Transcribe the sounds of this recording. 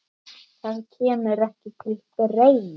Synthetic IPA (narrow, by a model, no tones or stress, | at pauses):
θaðcʰɛːmʏɾɛhcɪt̪ʰɪltɪrejnɪ